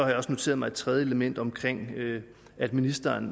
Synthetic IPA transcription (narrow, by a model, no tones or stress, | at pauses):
ɒhɑ̈jɒ̽sno̝t͡sʰe̝̰ːɐðˠmɑ̈ɪed̥t͡sʰʁɛð̞ˠjəeləmen̰d̥ɒ̽mkʰʁeŋ̰ø | æd̥minisd̥ɐːn